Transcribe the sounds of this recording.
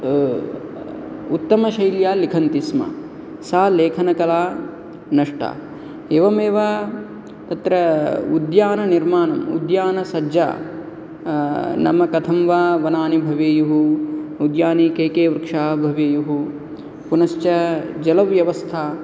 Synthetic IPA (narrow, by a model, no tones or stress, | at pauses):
ut̪ːɐmɐʃɐjljaːlikʰɐnt̪ismɐ̰ | saːleːkʰɐnɐkɐlaː | nɐʂʈa̰ː | eːʋɐmeːʋaː | t̪ɐt̪ɾɐud̪jaːnɐniɾmaːnɐmṵd̪jaːnɐsɐd͡ʒa̰ː | nɐ̰mɐkɐt̪ʰɐmʋaːʋɐnaːnibʱɐʋeːjuɦuud̪jaːnikeːkeːʋɾkʂaːbʱɐʋeːjuɦu | punɐʃt͡ʃɐd͡ʒɐlɐʋjɐʋɐst̪ʰaː